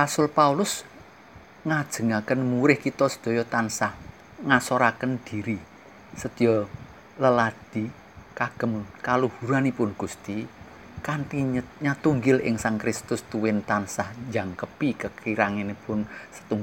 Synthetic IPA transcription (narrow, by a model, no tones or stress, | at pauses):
rasʊlpaulʊs | ŋad̥ʒ̥ə̤ŋakənmuɾɪhkit̪ɔsə̥d̪̥o̤jɔt̪ansah | ŋasɔɾakənd̪̥i̤ɾi | səd̪̥ijɔ | ləlad̪̥i | kaɡ̥ə̤mkaluhuɾanipʊnɡ̥ust̪i | kant̪iɲat̪uŋɡɪlɪ̰ŋsaŋkɾɪst̪ʊst̪uwɪnt̪ansahd͡ʒaŋkəpikəkiɾaŋenipʊnsə̥t̪uŋ